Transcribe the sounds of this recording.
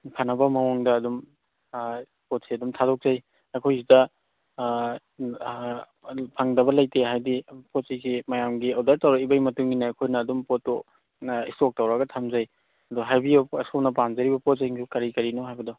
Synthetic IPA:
pʰanɐbɐmɐwɔŋdɐːdum | pot̚seɐdumtʰadɔk̚zaj | akʰojzidɐ | pʰaŋdɐbɐlajteɦajdipot̚siɡimɐjamɡiawdaɾtɐwɾakibajmɐtuŋɡinɐɐjkʰojnɐːdumpotːo | istok̚tɐwɾɐɡɐtʰamzaj | ɐdɔɦajbiɐsownɐpanzɐɾibɐpɔt̚zeŋʰukɐɾikɐɾinɔɦajbɐdɔ

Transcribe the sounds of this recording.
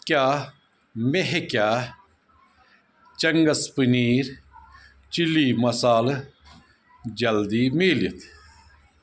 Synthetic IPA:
kjaː | meɦekʲaː | t͡ʃɐŋɡɐspɨniːɾ | t͡ʃiliːmɐsaːl | d͡ʒɐld̪iːmiːlit̪ʰ

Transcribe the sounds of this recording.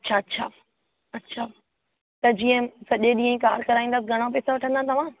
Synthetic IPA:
ɐtːɕʰaɐtːɕʰaː | ɐtːɕʰa | t̪ɐd͡ʑiːə̃sɐʄeɗĩːə̃ĩkaːɾkɐɾaːĩnd̪aːsɡʱɐɽ̃op̬eːsaʋɐʈʰə̃nd̪at̪ɐʋ̤ã

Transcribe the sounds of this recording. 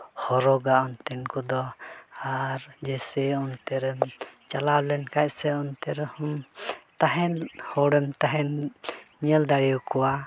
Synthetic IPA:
hɔɾɔɡaɔnt̪ɛnkɔd̪ɔaɾd͡ʒɛsɛɔnt̪ɛɾɛmt͡ʃalawlɛnkacsɛɔnt̪ɛɾɛhumt̪aɦɛnhɔɽɛmt̪aɦɛn | ɲɛld̪aɽijukɔwa

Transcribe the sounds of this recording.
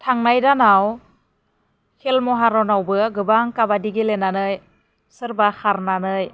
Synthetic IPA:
tʰaŋnajdanaw | hʰelmɔɦaɾɔnawbɯɡɯbaŋkabadiɡelenanɯj | sɯɾbaxaɾnanɯj

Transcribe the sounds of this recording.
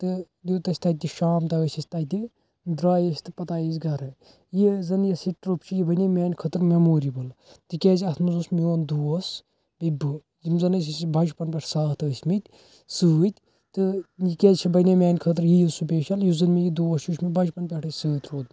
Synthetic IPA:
t̪ɨ | d̪ut̪ɐsʲt̪ɐt̪ːiʃaːmt̪ɐʋəsʲɐsʲt̪ɐt̪i | d̪ɾaːjesʲt̪ɨpɐt̪aːjizʲɡɐɾɨ | jizɐnjɐsiʈɾupt͡ʃʰijibɐnʲemʲɛːnʲkʰət̪ɾmemoːɾibɨl | t̪ɨkʲeːzʲɐt̪ʰmɨzusmioːnd̪uːɐs | bibɨ | zimzɐnəsʰisbɐd͡ʒpɐnpʲɛʈʰsaːht̪ɐʋəsʲmit̪ʲ | sɨɨt̪ʲ | t̪ɨjikʲeːzʲt͡ʃʰibɐnʲemʲɛːnʲkʰət̪ɾjijisupeːʃɐljuzɨnmijid̪uːɐsjuːʃʰmibɐd͡ʒpɐnpʲɛʈʰɨsɨːt̪ɾoːd̪̚m

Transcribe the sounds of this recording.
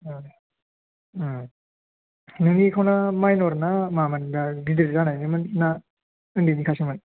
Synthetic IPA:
nɯŋnikʰawnamajnɔɾanamamandaɡidɯɾizanajnimɯnna | ɯndinikʰasiman

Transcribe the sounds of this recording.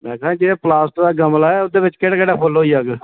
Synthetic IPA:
mɛ̃ːkãːd͡ʒeːeːplaːsʈd̪aːɡəmlaːɛːʊd̪eːbɪt͡ʃkeɽakəɽaːpʰoloːiːaːɡ

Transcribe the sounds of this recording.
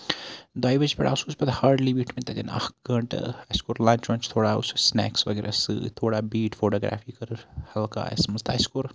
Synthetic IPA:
d̪aːjʋɐt͡ʃpɛɽa̰ːusuːsbɐt̪haːɾɖliːbiːʈminʲt̪ɐɡ̪ɐna̰hɡɐɳʈɨ̰ajskoːɾlãnt͡ʃʋɐ̃nt͡ʃʰt̪ʰoːɽaːṵsusnɛ̰ːksʋɐɡeɾʔa̰sɨ̰t̪ʰoːɽaːbiːʈfoːʈoːɡɾa̰ːfiːkɐɾhɐlka̰ːḛsmɐst̪a̰ːjskoːɾ

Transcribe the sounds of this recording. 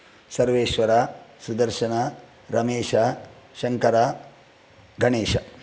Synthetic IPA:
sɐɾʋeːʃʋɐɾasud̪ɐɾʃɐnɐ | ɾɐmeːʃɐ | ʃɐŋkɐɾa | ɡʱɐɳeːʃɐ

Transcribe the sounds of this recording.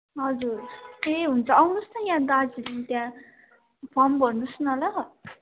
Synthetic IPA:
ɦʌd͡zuɾeɦunt͡sʰʌʌwnust͡sʌjãd̪ad͡zilit̪jã | bʰʌmbʱʌrnusnʌlʌ

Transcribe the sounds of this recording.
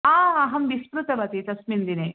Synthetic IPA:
aːɐɦɐmʋismɾut̪ɐbɐt̪it̪ɐsmind̪ine

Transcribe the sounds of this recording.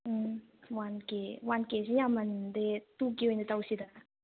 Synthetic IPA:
wankewankes̬ijamand̪et̪ukiwend̪et̪awsid̪a

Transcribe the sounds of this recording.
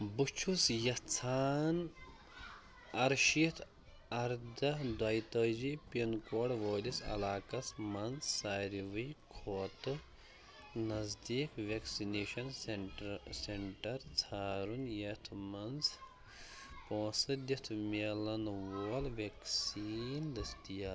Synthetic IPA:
but͡ʃʰusjɐt͡sʰaːn | ɐɾʃit̪ʰ | ɐɾd̪ɐd̪ɐjt̪ɐːd͡ʒipenkoːɽʋoːlisɐ̰laːkɐsmɐnzːaːɾiʋɨjkʰoːt̪ɨ | nɐzd̪iːkʋeksineːʃɐns | seɳʈɐɾt͡sʰaːɾunjɐt̪ʰmɐns | põːsɨd̪it̪ʰmelɐnʋoːlʋeksind̪ɐst̪ijaː

